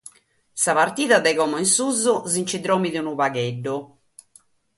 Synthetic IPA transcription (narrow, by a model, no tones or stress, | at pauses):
saβaɾt̪iːðad̪ɛɣɔmɔinsuzuzint͡ʃid̪ɾɔːmiðeunuβaɣeɖːu